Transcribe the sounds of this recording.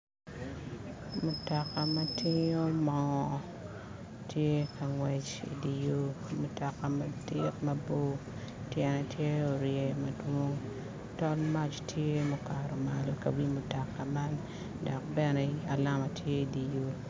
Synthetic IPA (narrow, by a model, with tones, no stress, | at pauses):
mʊ˨tɔ˨ka˨mɐtɪ˦ɲo˦mɔ˨ŋɔ˨ | tje˦ka˨ŋwɛ˨t͡ʃḭ˨di˨jo˦ | mu˨tɔ˨ka˨mɐ˦dɪ˦kmɐ˦bo˦ | tjɛ˨nɛ˨tje˦o˨ɾje˨mɐ˨dwo˦ŋ | tɔ˦lma˦t͡ʃtje˦moka˨ɾɔ˨ma˨lkɐ˨wi˦mʊ˨tɔ˨ka˨ma˦n | dɔ˨k̚bɛ˦nɛ˨a˨la˦ma˨tje˦i˨di˨jo˦